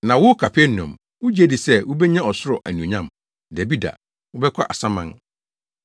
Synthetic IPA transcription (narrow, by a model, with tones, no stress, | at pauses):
nã˨wʊ˦kʰa˨pʰɛ˦nɔ̰̃˨m | wʊ˦d͡ʑe˦di˨sɛ˦wʊ˦bɛ˦ɲã˦ɔ˨sʊ˦ɾɔ˨ʔæ˨nũ˨ɲã˦˨m | dæ˨bi˦da̰˨ | wʊ˦bɛ˦kʷʰa˦ʔa˨sã˦mã˦n